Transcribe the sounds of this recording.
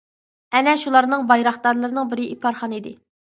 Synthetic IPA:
ɛnɛʃulˠɑɾnɨŋbɑjɾɑχd̪ɑɾlˠɨɾɨnɨŋbɪɾɪʔipʰɑɾχɑnid̪ɪ

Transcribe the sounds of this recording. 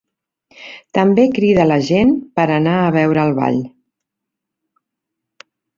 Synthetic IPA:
t̪əmbekɾiðələʒenpəɾənaəβ̞ɛwɾəːlˠβa̰ʎ

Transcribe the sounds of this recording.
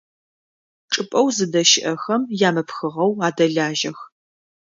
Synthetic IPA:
ʈ͡ʂʼɨpʼɐwzɨdɐʃɪʔɐxɐmjaːmɐpxɨʁɐwaːdɐɮaːʒɐx

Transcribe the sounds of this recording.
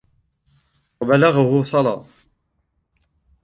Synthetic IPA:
wabalaɣʊhʊsˤɑlɑ̰ː

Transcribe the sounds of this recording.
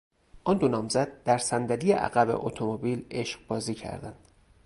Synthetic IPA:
ʔɒnd̪onɒːmzæd̪̚d̪æɾsænd̪æd̪ijeʔæ̰ɣæbḛʔo̰t̪ʰomobiːle̞ʃɢbɒːziːcʰæ̰ɾd̪ænd̪̥

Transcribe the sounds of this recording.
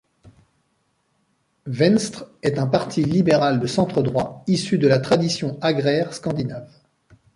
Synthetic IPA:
vɛnst̪χɛt̪ɛ̃paʁt̪ʰilibeʁald̪əsɑ̃t̪χəd̪ʁwaisyd̪əlat̪χad̪isjɔ̃aɡʁɛʁskɑ̃d̪inav

